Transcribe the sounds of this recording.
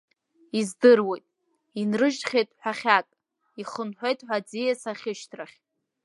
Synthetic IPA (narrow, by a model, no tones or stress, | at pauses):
izdɨrwejtʼ | inrɨʒtχʲejtʼħʷᶣaχʲakʼ | iχənħʷejtʼħʷad͡zijasaχʲɪʃtʰraχʲ